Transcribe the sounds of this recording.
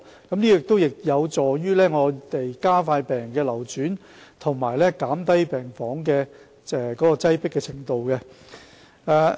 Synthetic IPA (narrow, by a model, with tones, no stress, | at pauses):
kɐ˨˥mniː˥˨ɪ˨k̚t̪o˥wjɪ˨k̚jɐ˨˧wt͡ʃɔː˨jyː˥lɛː˥ŋɔː˨˧t̪e˨jkaː˥faː˧jpɛː˨˩ŋkɛː˧lɐ˨˩wt͡ʃyː˨˥n | t̪ʰʊ˨˩ŋmaː˨˩jlɛː˥kaː˨˥mt̪ɐ˥jpɛː˨ŋfɔː˨˥ŋkɛː˧ | ɛ˨˧kɔː˨˥kɔː˧t͡sɐ˥jpɪ˥kːɛː˧t͡sʰɪ˨˩ŋt̪o˨˧wkɛ˧ | ɛː˨˧